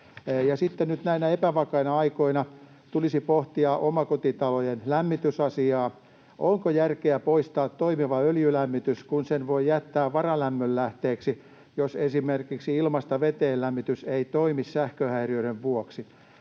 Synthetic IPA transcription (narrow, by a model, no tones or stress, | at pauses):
jɑsit̪ːenyt̪næinæepæʋɑkɑinɑɑikoinɑ | t̪ulisipoht̪iɑʔomɑkot̪it̪ɑlojenlæmːit̪ysɑsiɑː | ʔoŋkojærkeæpoist̪ɑːt̪toimiʋɑøljylæmːit̪yskunsenʋoijæt̪ːæːʋɑrɑlæmːøllæht̪eːksi | josesimerkiksiilmɑst̪ɑʋet̪eːllæmːit̪yseit̪oimissæhkøhæiriøiɾeʋʋuoksi